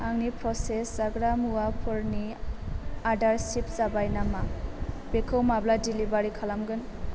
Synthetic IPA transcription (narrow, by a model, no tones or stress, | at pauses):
aŋnipɾɔseszaɡɾamuwapʰɯɾni | adaɾsip̚zabajnamab̥ekʰɯwmabladilibaɾikʰalamɡɯn